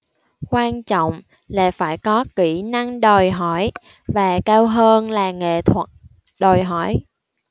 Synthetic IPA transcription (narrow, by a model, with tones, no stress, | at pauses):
kwaː˧nt͡ɕɔ̰˧˨wŋ͡m | la̰ː˨˩faː˧˩jkɔ˨˦ki˧˩na˧ŋɗo˨˩jɦɔ˧˩j | vaː˨˩kaː˧wɦəː˧nlaː˨˩ŋḛ˧˨t̪ʰwə˨˩t̚ | ɗo˨˩jɦɔ˧˩j